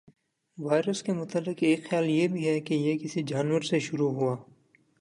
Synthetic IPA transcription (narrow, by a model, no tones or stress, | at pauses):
ʋaːɪɾəskemʊt̪əlːɪqeːkxjaːljebʱiɦɛkejekɪsid͡ʒaːnwəɾseʃʊɾuɦuaː